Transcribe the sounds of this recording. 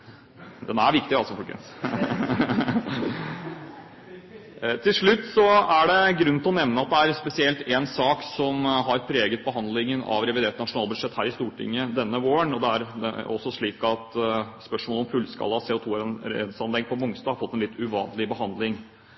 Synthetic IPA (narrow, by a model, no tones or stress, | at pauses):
d̪ɛnæɾʋɪkt̪ɪɑlsɔfɔlkə̰ns | t̪ʰɪlʂɭʉt̪ːsɔæɖɛɡɾʉnːt̪ɪlɔnɛʋnəɑt̪̚d̪ɛæɾspɛsɪɛlt̪eːnsɑːksɔmɦɑɾpʰɾeːɡət̪̚bəɦɑnd̪lɪŋənɑ̰ʋɾɛʋɪd̪eːt̪nɑʂʊnɑːlbʉd̪ʂɛt̪ːhæːɾɪst̪uːʈʰɪ̰ŋːəd̪ɛnːəʋoːəɳɔd̪ɛæɾ̰ɔsːɔʂɭiːkɑt̪spœʂmoːlɔmfʉlskɑ̰lːəɑseːʊt̪ʰuːɾḛd̪sɑnlɛɡpʰɔmʊŋst̪ɑːhɑɾfɔt̪ːɛnlɪt̪ʰːʉʋɑ̰ːnlɪbəhɑnd̪lɪŋ